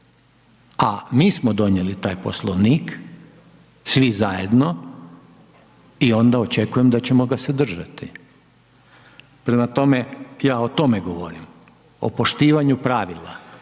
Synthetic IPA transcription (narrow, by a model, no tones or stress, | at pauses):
amiːsmod̪o̞ɲjelit̪aːjpo̞̰slˠoʋniːk | sʋizaje̞d̪no̞ | io̞nd̪ao̞t͡ʃe̞kujemd̪at͡ɕe̞mo̞ɡased̪r̩ʒat̪i | pɾemat̪o̞mejaːot̪o̞meɡo̞ʋo̰ɾim | o̞̰po̞ʃt̪iːʋaɲupɾaːʋilˠa̰